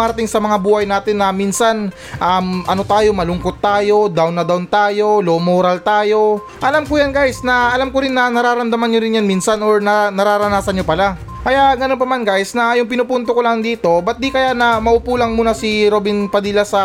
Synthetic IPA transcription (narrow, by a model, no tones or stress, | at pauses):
aɾɐt̪ɪŋsɐmɐŋabuːhɐjnaːt̪ɪnːɐminsɐn | ʔamʔɐno̞t̪aːjo̞mɐlʊŋkot̪ːaːjo̞d̪awnːɐd̪awnt̪aːjo̞lomoɾɐlt̪aːjo̞ | ʔɐlamkʊjanɡajsnɐʔɐlamkoɾɪnːɐnɐɾaːɾɐmd̪ɐmanɲoɾɪnjanminsɐnoɹnɐnɐɾaːɾɐnaːsɐnɲopɐla | kɐjaʔɡɐnonpɐmanɡajsnɐjʊŋpɪnʊpunt̪okolɐŋd̪iːt̪o̞bɐt̪̚d̪ikɐjaʔnɐmɐʔuːpuːlɐŋmuːnɐsiɾobɪnpɐd̪iːlɐsɐ